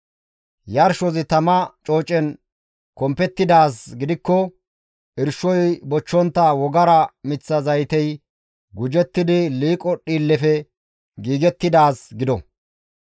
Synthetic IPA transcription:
jɐɾʃɔzɪt̪ɐmɐt͡ʃʼo̞ːt͡ʃʼɛn | kɔmpɛt̪ːɪd̪aːsɡɪd̪ɪkːɔ | ʔɪɾʃɔjbɔt͡ʃːɔnt̪ːɐwɔɡɐɾɐmɪt͡sːɐzɐjt̪ɛj | ɡʊd͡ʒɛt̪ːɪd̪ɪliːkʼɔɗiːlːɛfɛ | ɡiːɡɛt̪ːɪd̪aːsɡɪd̪ɔ

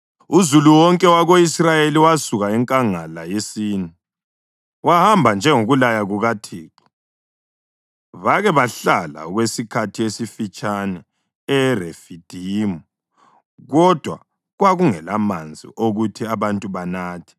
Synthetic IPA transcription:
uzuluwɔŋkʼɛwaɣoisrajeliwasuɣaɛŋkʼaŋalajesiːnɛ | wahambʱand͡ʒʱɛŋoɣulajaɣuɣatʰiːǁɔ̥ | βaɣɛβaɬala̰ɔɣwesikʰatʰijesifit͡ʃʼanɛ | ɛrefid̥ʱimu | ɣɔd̥ʱwa̰ | ɣwaɣuŋɛlamand͡zʱḭʔoɣutʰiaβantʼuβanaːtʰi̥

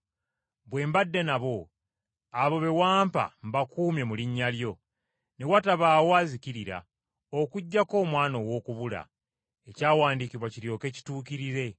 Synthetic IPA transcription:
βwe̞ːmbadːe̞naβo̞ | aβo̞βe̞waːmpa̰mbakuːmje̞muliɲːaljo̞ | ne̞wataβaːwoaːzikiɾiɾa̰ | okuɟːako̞ːmwaːnowo̞ːkuβula̰ | ecaːwaːndikiβwaciɾjo̞ke̞ːci̥tuːkiɾiɾe̞

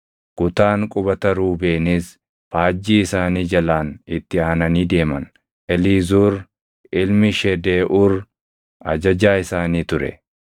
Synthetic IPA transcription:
kʊt̪aːŋkʼʊbɐt̪ɐɾuːbeːnɪs | faːd͡ʒːiːɪsaːniːd͡ʒɐlaːnɪt̪ːɪaːnɐniːd̪e̞ːmɐn | ʔɛliːzuːɾ | ɪlmɪʃɛd̪eːʔʊɾ | ʔɐd͡ʒɐd͡ʒaːɪsaːniːt̪ʊɾɛ̰

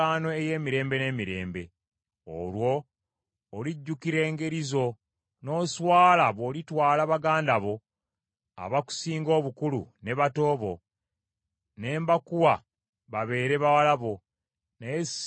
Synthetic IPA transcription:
aːno̞eje̞ːmiɾe̞ːmbe̞ne̞miɾe̞̰ːmbe̞ | o̰lwo̞ː | liɟːukiɾe̞ːŋɡe̞ɾizo̞ | no̞ːswaːlaβo̞litwaːlaβaɡaːndaβo̞ | a̰βaku̥siːŋɡo̞ːβukulṵne̞βato̞ːβo̞ | ne̞ːmbakuwa | βaβe̞ːɾeβawalaβo̞ | nees

